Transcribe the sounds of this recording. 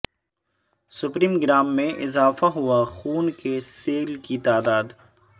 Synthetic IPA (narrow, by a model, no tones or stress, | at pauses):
sʊpɾiːmɡɾaːmːẽʔɪzaːfaɦʊaxuːnkeseːlkit̪aːd̪aːd̪